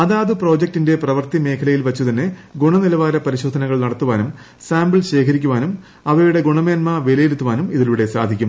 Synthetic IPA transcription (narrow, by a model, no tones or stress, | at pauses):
ɐðaːðupro̞ːd͡ʑek̚tinde̞prɐʋɐrt̪ime̞ːkʰɐlɐjilʋɐt͡ɕːut̪ɐnːeɡuɳɐnilɐʋaːɾɐpɐɾiɕo̞ːd̪ʱɐnɐɣɐɭnɐɽɐt̪ːuʋaːnum | saːmbɨɭɕe̞ːkʰɐɾikʲːuʋaːnum | ɐʋɐjuɽe̞ɡuɳɐme̞ːnmɐʋelɐjeɾut̪ːuʋaːnumiðiluɽe̞sa̰ːd̪ʱikʲːum